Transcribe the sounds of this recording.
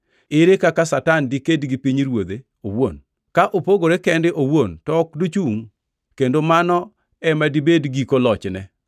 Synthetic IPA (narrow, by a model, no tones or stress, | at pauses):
ɪɾekakasatandikedɡipiɲɾwod̪e | owo̰n | kaʔopoɡoɾekɛndɪʔowontɔkdot͡ʃuŋ | kendomanɔ | ɛmadibedɡikolɔt͡ʃnɛ